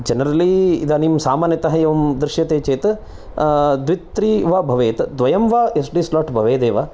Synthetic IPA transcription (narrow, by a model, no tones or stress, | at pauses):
d͡ʒɐnɐɾɐliːd̪aːnimsaːmaːnjɐt̪ɐɦɐjɐʋɐmd̪ɾɪʃjɐt̪eːt͡ʃeːt̪ɐ | d̪ʋit̪ɾiːʋaːbʱɐʋeːt̪ɐd̪ʋɐjɐmʋaːesɖiːslɔːʈbʱɐʋeːd̪eːʋaː